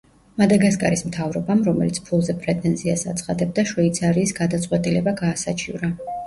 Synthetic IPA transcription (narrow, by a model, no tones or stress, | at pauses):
mad̪aɡaskʼa̰ɾismt̪ʰavɾɔbamɾɔmɛ̰lit̪sʰpʰulˠzɛpʰʼɾɛt̪ʼɛnziasat̪sʰχad̪ɛb̚d̪aʃɔit̪sʰaɾiːsɡad̪at̪sʼwɛt̪ʼilɛbaɡaːsat͡ʃʰivɾa